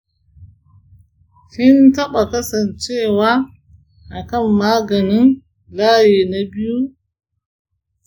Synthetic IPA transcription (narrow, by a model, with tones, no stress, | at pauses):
hi˦ntɐ˦ɓa˨kɐ˦sɐ˨nt͡ʃe˦waː˦ | ʔa˨kɐ˦˨mːaː˦ɡɐ˨ni˦n | laː˦je˨na˦bi˦ju˦